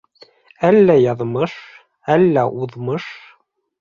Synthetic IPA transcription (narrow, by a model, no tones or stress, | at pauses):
ælːæjɑðmɤʃ | ælːæʔuðmɤʃ